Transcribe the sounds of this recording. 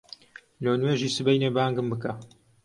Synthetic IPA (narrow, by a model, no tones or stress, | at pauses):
lownweːʒiːsɨbejneːbaːŋɡɨmbɨkɐ